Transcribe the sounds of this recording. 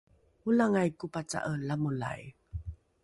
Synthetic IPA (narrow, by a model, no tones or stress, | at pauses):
ulaŋajkupat͡sa̰ʔəlamula̰j